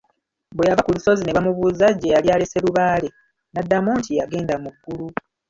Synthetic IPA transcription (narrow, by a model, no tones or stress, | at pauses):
bwejavakuluso̞zine̞βamuβuzaɟːejaliale̞se̞luβaːle̞ | nadːamoːntijaɡe̞ːndamuɡːulu